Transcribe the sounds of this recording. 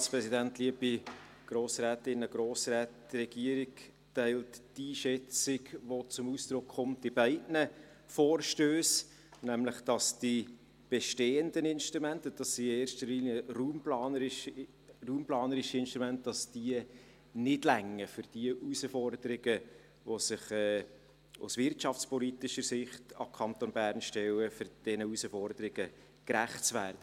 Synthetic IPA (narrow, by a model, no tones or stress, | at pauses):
spɾɛsidæntliəb̥i | ɡ̥ɾoːsræːtɪnəɡ̥ɾoːsræːtrɛɡiəɾɪk | tæɪltd̥iːʃɛt͡sɪɡʋot͡sʊmusd̥̪ɾʊkχʊmt̚d̥ɪbæɪdnə | foːrʃtøːs | næmləχd̥ɑsd̥i | b̥ɛʃteːəndənɪnʃtɾumɛntəd̥ɑsːineːrʃtəliːnjəruːmplɑːnəɾɪʃ | ruːmplɑːnəɾɪʃəɪnʃtʁumæntd̥ɑsd̥iə | nɪdlæŋːəfʏɾd̥iəʔusəfɔrd̥əɾɪɡə | ʋosɪχɛː | ʊ̰svɪɾtʃɑft͡spɔliːtɪʃəɾsɪχtɑ̰kʰɑnt̪onbæːrnʃtɛlːəfʏɾd̥ɛnəusəfɔɾd̪əɾɪɡ̥ə | kræχsʋæːrd̥ə